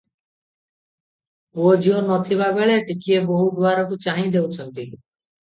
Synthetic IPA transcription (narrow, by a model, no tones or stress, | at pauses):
od͡ʒionɔt̪ʰibabeɭeʈikieboɦud̪uaɾɔkut͡ʃaɦĩd̪ewt͡ʃʰɔnt̪i